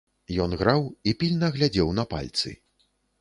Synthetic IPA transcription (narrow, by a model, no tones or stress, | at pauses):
jɔnɣɾawipʲilʲnɐɣlʲad͡zʲɛwnɐpa̰lʲt̪sɨ̰